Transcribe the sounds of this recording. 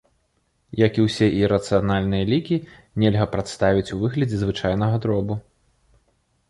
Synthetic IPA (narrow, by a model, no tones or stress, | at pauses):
jɐkiwsʲɛʔiɾɐt̪sɨjanalʲnɨjɐlʲikʲi | nʲɛlʲɣɐpɾat̪st̪avʲit͡sʲuvɨɣlʲɐd͡zʲɛzvɨt͡ʂajnɐɣɐd̪ɾɔbu